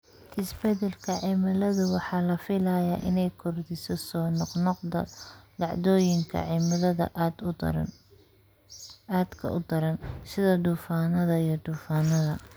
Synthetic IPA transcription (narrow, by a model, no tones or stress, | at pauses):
ʔɪsbɛd̪ɛlkʰɐʕɪmɐlɐðʊwɑħɑːlɐfɪlɐjaːʔɪnɛjkʰɔrd̪ɪsɔsɔːnɔqnɔqd̪ɐ̰lɑʕd̪ɔːjɪŋkʰɐ̰ʕɪmɐðɐðɐ̰d̪̰ | ad̪kʰɐ̰ʔʊd̪ɐɾɐnsɪðɐd̪uːfaːnɐðɐijɞd̪uːfaːnɐðɐ